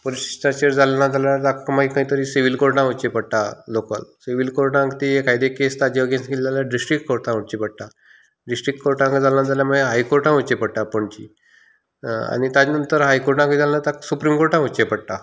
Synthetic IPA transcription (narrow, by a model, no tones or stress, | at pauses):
polii̥t̪at͡ɕeɾd͡zalenad͡zaljaɾd̪akmaɦikə̃ĩt̪əɾiːsiʋilkoɾʈãut͡ɕepəɽʈ̪aloka̰lsiʋilkoɾʈãkt̪iɦekajd̪ekest̪ad͡ʑiəɡẽnsɡelaljaɖisʈɾik̚ʈkoɾʈãut͡ɕipəɽʈ̪a | ɖisʈɾik̚ʈkoɾʈãŋkəd͡zalnad͡zaljaməɡeɦajkoɾʈãut͡ɕepəɽʈ̪apoɳt͡ɕḭ | a̰ñit̪ad͡ʑnənt̪əɾɦajkoɾʈaŋkəd͡zalenat̪asupɾiːmkoɾʈãut͡ɕepəɽʈ̪a